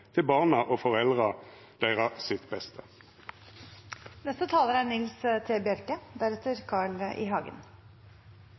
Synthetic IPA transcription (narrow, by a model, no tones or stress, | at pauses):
t̪ʰɪlbɑːʁnɑʔofɔʁɛld̪ʁɑ | d̪æɪʁɑsɪt̪bɛst̪ʰə | nɛst̪ət̪ʰɑːləɾæɳɪlst̪ʰeːbjœɾkəd̪æɾɛt̪əɾkʰɑːɭʔɪ̰ɦɑːɡə̰n